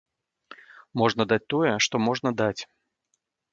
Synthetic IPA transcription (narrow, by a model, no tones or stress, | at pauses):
mɔʐnɐd̪at͡sʲt̪ɔjɛʂt̪ɔmɔʐnɐd̪at͡sʲ